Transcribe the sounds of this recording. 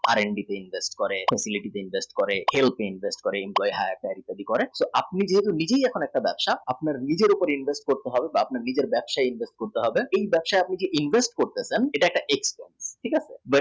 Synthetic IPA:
a̰ɾeɳɖit̪einbʱesʈkɔɾefʰɛsiliʈit̪einbʱesʈkɔɾehelpʰeinbʱesʈkɔɾeemplɔjiɦajaɾʈaɾit̪ad̪ikɔɾesoʔap̚nid͡ʑeɦet̪unid͡ʑejɛkʰonɛk̚ʈabɛbʃaapnaɾnid͡ʑeɾupoɾinbʱesʈ̚koɾt̪eɦɔbebaapnaɾnid͡ʑeɾbɛbʃaeinbʱesʈ̚koɾt̪eɦɔbeejbɛbʃaeapnid͡ʑeʔinbʱesʈkoɾt̪eseneʈaɛk̚ʈaʔekspḛnsʈʰikasʰḛb

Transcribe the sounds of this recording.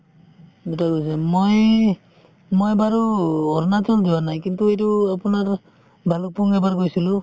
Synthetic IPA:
dɛtaɡojs̬ɛmoj | mojbaɹuɔɹnatɔldiwanajkintuejtuapunaɹ | bʱalɔk̚pɔŋɛbaɹɡojsilʊ

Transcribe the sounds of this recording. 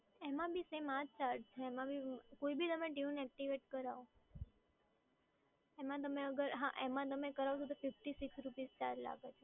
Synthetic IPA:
emãbʱisemãd͡ʒt͡ʃaɾɖt͡ʃʰeːmãbʱikoibʱit̪əmẽʈiũnɛk̚ʈiʋeʈkəɾaʋo | emãt̪əmeəɡəɾɦã̰ʔemãt̪̬əmekəɾaʋt͡ʃʰot̪̬ofɪfʈisiksɾupizt͡ʃaɾla̰ɡet͡ʃʰe

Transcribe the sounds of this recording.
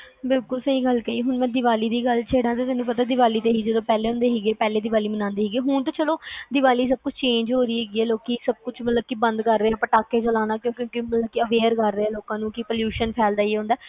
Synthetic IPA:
bɪlkʊlsəɦiːɡəlkəiɦʊɳmɛ̃ːd̪ɪʋaːliːd̪iːɡəlt͡ʃʰeːɽãːt̪eːt̪ɪnũːp̬ət̪aːd̪ɪʋaːliːt̪eːɦiːd͡ʒəd̪õːpɛːleːɦʊ̃ːnd̪eːɦeːɡeːpɛːleːd̪ɪʋaːliːmənãːnd̪eːɦeːɡeːɦʊɳt̪aːt͡ʃəloːd̪ɪʋaːliːs̬əb̚kʊt͡ʃʰt͡ʃẽːɲd͡ʒɦoːɾiːɦeːɡiːɛːloːkiːsəb̚kʊt͡ʃʰmət̪ləb̚kibə̃nd̪kəɾːeːɛ̃ːpəʈaːkːeːt͡ʃəlaːnaːkjõːkjõːkɪmət̪ləb̚kiəʋeːɾkəɾːeːɛːloːkãːnũːkɪpəljuːʃənpʰɛːld̪aːiːɦõːnd̪aː

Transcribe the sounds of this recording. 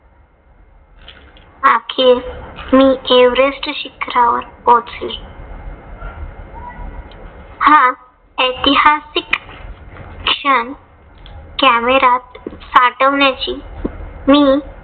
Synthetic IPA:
akʰemiːeʋɾesʈɕikɾaʋə̰ɾpot͡sle | hã | əjt̪iɦasikː | ʂəɳ | kæmeɾat̪saʈəʋɳjat͡ɕiːmiː

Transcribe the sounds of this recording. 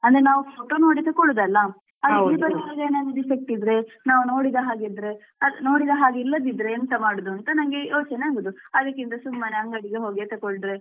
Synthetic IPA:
ɐnd̪ɐɾenaːʋupʰoːʈono̞ːɽit̪ɐkɔɭud̪ɐlːɐ | ɐdilːibɐɾiɐlɐɡeːnenɐd̪ifek̚ʈid̪ɾe̞ | naːʋuno̞ːɽid̪ɐɦaːɡid̪ɾe̞ | ɐd̪no̞ːɽid̪ɐɦaːɡilːɐd̪id̪ɾe̞ɐnt̪ɐmaːɽud̪uɐnt̪ɐnɐŋɡe̞jʔoːt͡ʃɐneaːɡud̪uɐd̪ɐkːint̪ɐsumːaːneɐŋɡɐɽiɡeɦoːɡit̪ɐkɔɭɖɾe̞

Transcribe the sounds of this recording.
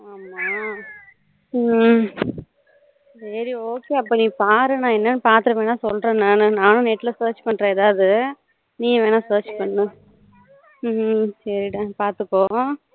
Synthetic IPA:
aːmaː | sɐɾioːkeːɐpːɐːniːpaːɾɯnãːɛnːɐnːɯpaːɾt̪ɯɾɐʋeːnaːsɔlɾẽːnaːnɯnaːnʊ̃nɛʈːɪlɐsɐːɾt͡ʃpɐɳɾẽːɛðaːʋɐðɯ | nĩːʋeːnaːsɐːɾt͡ʃpɐɳːɯ̃ | sɐɾiʈãpaːɾt̪ɯkːõː

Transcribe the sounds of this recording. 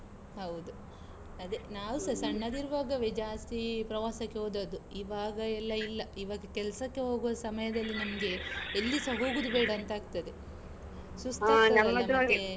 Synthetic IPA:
hɐwd̪u | ɐd̪enaːʋusɐsɐɳːɐd̪iɾʋaːɡɐʋed͡ʒaːst̪ipɾɐʋaːsɐkːeɦoːd̪ɐːd̪uiʋaːɡɐɛlːɐilːɐiʋaːɡɐkɛlɐsɐkːe̞ɦo̞ːɡuʋɐsɐmɐjɐd̪ɐlːinɐmɐɡe̞ːlːisɐɦo̞ːɡud̪ubeːɽɐɐnt̪aːɡ̚t̪ɐd̪e | sust̪ɐɐɐɐɐe

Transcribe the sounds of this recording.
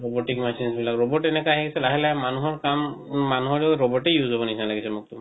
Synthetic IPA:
ɹoboʈikmasinsbilakɹobɔʈɛnɛkaɦɛkisɛlaɦilamanuɦɔɹkamːanuɦɔɹɔɹobɔʈejuzobɔnisʰinalaɡisɛmʊk̚tum

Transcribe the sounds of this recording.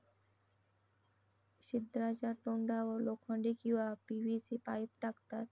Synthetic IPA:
ʃid̪ɾad͡ʑaɾʈoɳɖaolokʰːoɳɖikiwapibʱisipajp̚ʈakt̪at

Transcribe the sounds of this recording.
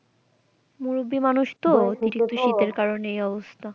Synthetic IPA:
muɾubimanuʃt̪ot̪iɾik̪̚uʃit̪eɾkaɾoneejɔbost̪ʰa

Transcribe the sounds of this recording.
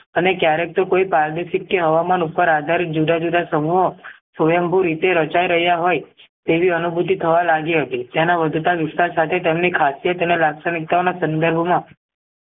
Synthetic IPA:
ənekjaɾek̚t̪okoipaɾd̪eʃɪkːeɦəʋamanupəɾad̪ʱaɾit̪̚d͡ʒud̪ad͡ʒud̪asəmuɦosojəmbʱuɾit̪eɾət͡ʃaiɾəɦjaɦojt̪eʋiənubʱut̪it̪ʰəʋalaɡiɦət̪it̪janaʋəd̪ʱt̪aʋɪst̪aɾsat̪ʰet̪emnikʰasijət̪ənelaɡsənik̚t̪aonasənd̪əɾbʱmã

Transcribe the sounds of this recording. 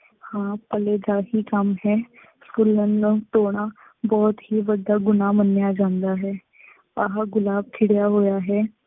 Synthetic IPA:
hãːpəleːd̪aːɦiːkəmɦɛː | fʊlːənːũːt̪oːɽ̃ãː | bɔːt̪ɦiːʋəd̪aːɡʊnaːmənːjaːd͡ʒãːnd̪aːɦɛː | aɦaɡʊlaːb̚kʰɪɽjaːɦoːjaːɦɛː

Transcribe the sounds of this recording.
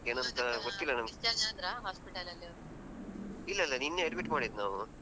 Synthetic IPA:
eːnɐnt̪ɐɡot̪ːilːɐnɐmisjaːɡeɐnd̪ɾaːɦaːspiʈɐlɐlːiɐɐɾ | ilːɐilːɐninːeɐɖmiʈmaːɽid̪naːʋu

